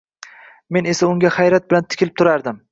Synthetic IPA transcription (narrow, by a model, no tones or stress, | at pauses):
me̞ne̞saʊŋɡʲahajɾat̪̚bɪlant̪ʰɪ̥kʲʰɪlɪp̚t̪ʰʊɾaɾd̪ɪm